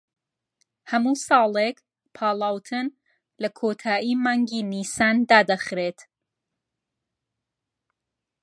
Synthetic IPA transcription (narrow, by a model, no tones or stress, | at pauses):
hɐmuːsɑːlˠek | pʰɑːlˠaːwt̪ʰɨn | lɐkʰoːt̪ʰaːʔiːmaːŋɡiːniːsaːnd̪aːd̪ɐxɾeːt̪